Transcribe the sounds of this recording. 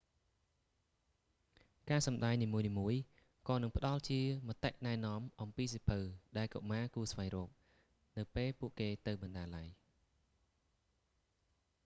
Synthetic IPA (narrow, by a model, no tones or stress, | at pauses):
kaːsɑmɗaɛjniːmuəjniːmuəj | kɑːnɨŋpə̆ɗɑlt͡ɕiəmət̪ːeʔnaɛnŏəmʔɑmpiːs̬ipʰɨwɗaɛlko̰ʔmaːkuːsʋajrɔːp̚ | nɨwpeːlpuəʔkeːt̪ɨwɓɑnɗaːlaəj